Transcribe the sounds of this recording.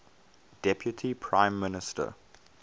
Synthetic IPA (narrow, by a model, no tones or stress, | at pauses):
d̥ɛpʰjutʰipʰɹãɪ̃mːɪnɪstʰə̰